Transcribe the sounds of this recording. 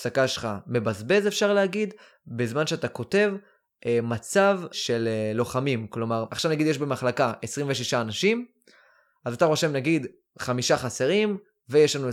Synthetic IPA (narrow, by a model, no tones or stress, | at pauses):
sakaʃeχame̞bazbe̞zefʃaʁleaɡid̪ | bezmanʃeatako̞te̞v | ʔmat͡savʃe̞llo̞χamimklo̞maʁaχʃavnaɡid̪jeʃbe̞maχlakaʔesʁiɱveʃiʃaːnaʃim | azat̪aʁo̞ʃemnaɡid̪ | χamiʃaχase̞ʁim | vejeʃlanu